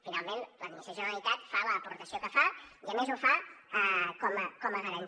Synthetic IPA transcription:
finalˠmẽnləninisəsjoənit̪at̪faləːpuɾt̪əsiokəfaiəmezufa | kɔməkɔməɣəɾən

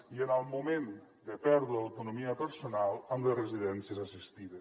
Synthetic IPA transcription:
iənəlˠmumen | d̪əpɛɾðɾəəwt̪unumiəpəɾsunalˠəmlerəziðɛnsjəzasist̪iðes

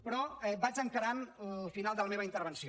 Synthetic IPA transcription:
pɾɔɛbad͡ʒəŋkəɾanfinalˠd̪ələmeβəint̪əɾβənsi

